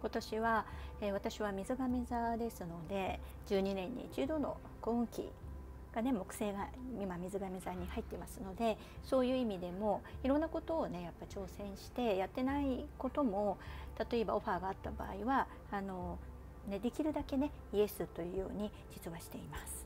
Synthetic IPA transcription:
ko̞t̪o̞ɕiβaeβat̪aɕiβamʲizɨɡamʲezad̪e̞sɨno̞d̪e̞ | d͡ʑɨːɲ̟inẽ̞ɲ̟ːḭt͡ɕɨːd̪o̞no̰ | koːɯ̟̃ŋkʲḭ | ɡ̥ane̞mo̞kɯ̟̥se̞ːɡamʲimamʲizɨɡamezaɲ̟ihait̪ːe̞masɨno̞d̪e̞ | so̞ːjɯ̟ːimʲid̪e̞mo̞iɾõ̞nːako̞t̪o̞ːne̞japːait͡ɕo̞ːsẽ̞ɰ̃ɕi̥t̪e̞jat̪ːe̞naiko̞t̪omo̞t̪at̪o̞e̞ba̰o̞ɸaːɡaːt̪ːaba̰ːiβaː | no̞ | ne̞d̪e̞kʲiɾɯ̟d̪ake̞ne̞ | ie̞sɨt̪ːo̞jɯ̟ːjo̞̰ːɲ̟i | d͡ʑit͡sɨβaɕi̥t̪e̞imasɨ̥

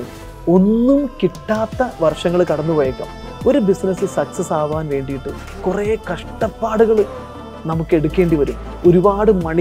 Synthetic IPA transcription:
o̞nːumkiʈːaːt̪ːɐʋɐrʂɐŋːɐɭkɐɽɐnːupoːjɐkːɐ̰m | o̞ɾubisnɐsɨsɐksɐsaːʋaːnʋe̞ːɳɖijiʈːu | kureːkɐʂʈɐpːaːɽuɣɐɭ | nɐmukːe̞ɽukːe̞ːɳɖiʋɐɾum | o̞ɾubaːɽɨmɐɳi

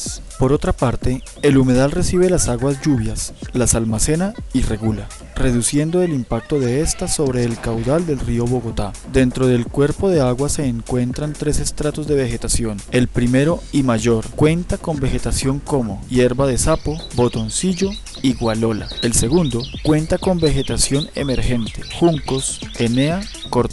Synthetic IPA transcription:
po̞ɾo̞t̪ɾapaɾt̪e̞ | elume̞ðalre̞siβe̞lasaɣwazd͡ʒuβ̞jaslasalmase̞naire̞ɣula | re̞ð̞usje̞nd̪o̞e̞limpak̚t̪o̞ðe̞est̪aso̞βɾe̞ːlkawðald̪e̞lrio̞βo̞ɣo̞t̪a | d̪e̞nt̪ɾo̞ð̞elkwe̞ɾpo̞ðe̞aɣwase̞ːŋkwe̞nt̪ɾant̪ɾe̞se̞st̪ɾat̪o̞zd̪e̞βe̞xe̞t̪asjo̞ne̞lpɾime̞ɾo̞imaʝo̞ɾkwe̞nt̪ako̞mbe̞xe̞t̪asjo̞ŋko̞mo̞̰je̞ɾβaðe̞sapo̞bo̞t̪o̞nsiʝo | iɣwalo̞la̰e̞lse̞ɣund̪o̞kwe̞nt̪ako̞mbe̞xe̞t̪asjo̞ne̞̰me̞ɾxe̞nt̪e̞xuŋkosenea | koɾ

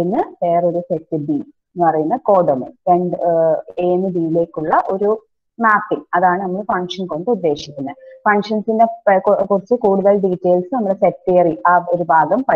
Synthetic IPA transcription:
inːɨʋeːro̞ɾusetːɨbi | npɐrɐjunːɐko̞ːɖɐmɨ̰ɾeɳɖɨeːnɨbiːile̞ːkʲːuɭːɐʔo̞ɾu | maːpːinɐðaːɳɨnɐmːɐɭfɐŋʂɐnko̞ɳɖɨud̪ːe̞ːʂikʲːunːɐðfɐɳʂɐnsinde̞kurit͡ɕːɨkuːɽuðɐɭɖiːtːeːlsɨnɐmːɐɽesetːeːriaːoɾubʱaːɡɐmpɐ

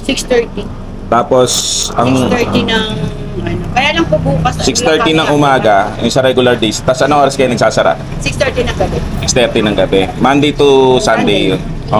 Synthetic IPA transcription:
sikst̪ɛɹt̪i | t̪aːposɐŋɛt̪inɐŋ | ɐnokɐjaːlɐŋpobuːkɐssɪkst̪ɛɹt̪inɐŋʔʊmaːɡɐjʊŋsɐɾɛɡʊlɐɾd̪ejst̪ɐsɐʔɐnɐŋʔoːɾɐskɐjanɐɡ̚saːsɐɾa̰ʔ | sɪkst̪ɛɹt̪inɐŋɡɐbɛsɪkst̪ɛɾt̪inɐŋɡɐbɛmand̪ejt̪ʊsand̪ejjon | ʔo

